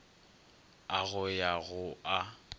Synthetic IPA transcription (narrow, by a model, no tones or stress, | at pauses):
aɣʊjaɣʊʔa